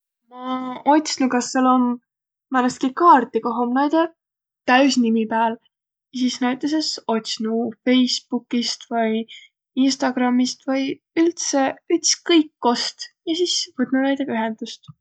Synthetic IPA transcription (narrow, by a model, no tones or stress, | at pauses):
mɑo̞t̪ʲsnukɑsːelom | pænɑst̪̚kikɑːrt̪ˑikoɦomnæjd̪e | t̪æysnimipæːl | jɑsisnæɥt̪ːˑes̬eso̞t̪ʲsnufe̞jspukːˑist̪vɤj | inst̪ɑɡ̥rɑmːist̪vɤj | ylt̪se̞yt̪skɤjkːo̞st̪jɑsiːsvɤt̪ˑnunæjd̪eyɦɛnd̪̥ust̪